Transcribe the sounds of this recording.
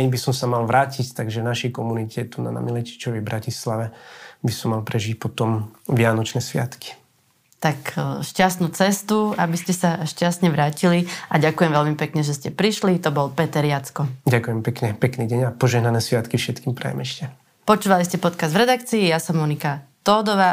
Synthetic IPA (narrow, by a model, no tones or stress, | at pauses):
ɛɲbisɔmsamalʋɾaːcict̪aɡʒɛvnaʃɛjkɔmunicʰɛt̪una̰na̰milɛci̥t͡ʃɔʋɛbɾacislaʋɛbisɔmːalpɾɛʒic̚pɔt̪ɔmʋɪanɔt͡ʃnɛːsʋɪa̰t̪ki̥ | t̪akʃcast̪nuːt͡sɛst̪uabiscɛsaʃcasɲɛʋɾaːciliaɟakujɛmʋɛlmipɛkɲɛʒɛscɛpɾiʃlit̪ɔbɔlpɛt̪ɛɾjat͡skɔɟakujɛmpɛkɲɛpɛkniːɟɛɲapɔʒɛɦnanɛːsʋɪat̪kifʃɛt̪kiːmpɾɛ̰jɛ̰mɛʃcɛ | pɔt͡ʃuːʋaliscɛpɔt̪kazd̪vɾɛd̪akt͡siːjasɔmːɔnikat̪ɔːd̪ɔʋaː